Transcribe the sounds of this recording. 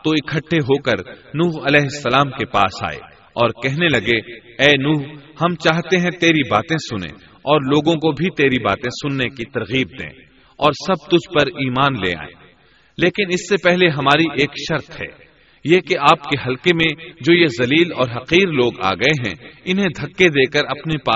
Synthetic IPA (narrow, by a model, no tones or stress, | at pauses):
t̪oɪkʰɐʈʰːeɦoːkɐɾnuːɦɐlɛːɦɪsːɐlaːmkepa̰ːsa̰ːḛ | ɔːɾkɛɦnelɐɡe | ɛːnuːɦhɐmt͡ʃaːɦt̪eɦɛ̃t̪eːɾibaːt̪ẽsʊnḛ̃ | ɔːɾloːɡõkobʱit̪eːɾiba̰ːt̪ẽsʊnːekit̪ɐɾɣiːb̚d̪ḛ̃ː | ɔːɾsɐb̚t̪ʊd͡ʒʱpɐɾiːmaːnlḛːa̰ːḛ̃ | leːkɪnɪsːepɛɦleɦɐmaːɾiʔeːkʃɐɾt̪ɦɛ̰ː | jekeaːpkeɦɐlkemẽd͡ʒoːjezɐliːlɔːɾɦɐqiːɾloːɡa̰ːɡɐeɦɛ̰̃ɪnɦẽd̪ʱɐkːed̪eːkɐɾɐpnepaː